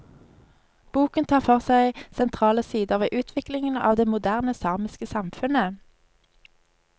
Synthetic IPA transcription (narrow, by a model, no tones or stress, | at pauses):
b̥uːkənt̪ʰɑːʁfɔʁsæɪsɛnt̪ʰʁɑːləsiːd̪əʁʋeːʔʉːt̪ʰʋɪklɪŋənɑ̰ːʋd̪eːmʊd̪æʁnəsɑːʁmɪskəsɑmfʉnə